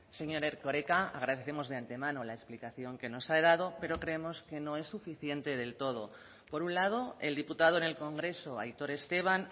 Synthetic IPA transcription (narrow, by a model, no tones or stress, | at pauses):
se̞ɲoɾe̞ɾko̞ɾe̞kaaɣ̞ɾaðeθe̞mo̞zðeant̪e̞mãnolaesplikaθjo̞ŋke̞no̞saðað̞o̞pe̞ɾo̞kɾe̞emo̞ske̞no̞e̞sːufiθje̞nt̪e̞ð̞e̞lt̪o̞ð̞o̞ | po̞ɾunlað̞o̞e̞̰ld̪iput̪aðoene̞lko̞ŋɡɾe̞so̞ajt̪o̞ɾe̞st̪e̞β̞an